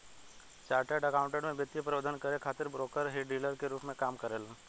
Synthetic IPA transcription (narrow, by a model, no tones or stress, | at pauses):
t͡ʃaːɾʈeːɖɐkaːʊ̃ɳʈeɽmẽbjət̪jipɾɐʋəd̪ʱənkəɾekʰaːt̪ɪɾbɾoːkəɾɦeːɖiːləɾkeɾuːpmẽkaːmkɐɾeːl